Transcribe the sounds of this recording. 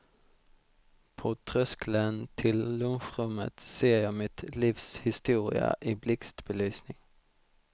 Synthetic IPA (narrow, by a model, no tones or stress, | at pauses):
pʰoːt̪ʰʁœsklənt̪ʰɪllʉnɧʁʉmə̰t̪seːjɑɪmɪt̪liːfshɪst̪uːʁɪ̰ə̰ʔiːblɪkst̪bəlyːsnɪŋ